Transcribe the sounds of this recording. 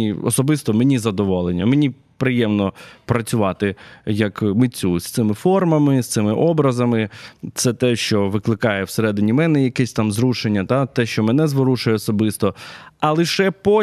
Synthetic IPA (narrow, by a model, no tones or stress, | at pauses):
iɔ̰sɔbɪst̪ɔmenʲizɐd̪ɔʋɔlˠenʲːɐmenʲi | pɾɪjɛmnɔpɾɐt͡sʲʊʋɑt̪ɪjɐkmɪt͡sʲust̪sɪmɪfɔrmɐmɪst̪sɪmɪʔɔbɾɐzɐmɪt̪sɛt̪ɛʃt͡ʃɔʋɪklˠɪkɑjɛwseɾɛd̪ɪnʲimɛnɛjɐkɛsʲt̪ɑmzɾuʃenʲːɐt̪at̪ɛʃt͡ʃɔmɛnɛzʋɔɾuʃʊjɛɔsɔbɪst̪ɔɐlˠɪʃɛpɔ